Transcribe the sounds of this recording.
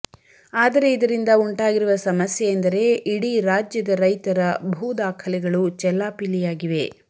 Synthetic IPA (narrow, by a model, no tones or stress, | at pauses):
aːd̪ɐɾe̞id̪ɐɾind̪ɐuɳʈaːɡiɾuʋɐsɐmɐsjɛjɐnd̪ɐɾe̞iɽiɾaːd͡ʒjɐd̪ɐɾɐjt̪ɐɾɐbʱuːd̪aːkʰɐlɛɡɐɭut͡ʃɛlːaːpilijaːɡiʋe̞